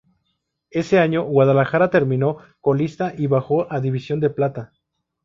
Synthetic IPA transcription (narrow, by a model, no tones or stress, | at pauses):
e̞se̞aɲo̞ɣwað̞alaxaɾat̪e̞ɾmĩno̞ | ko̞list̪aʔiβaxo̞ʔaðiβisjo̞nd̪e̞plat̪a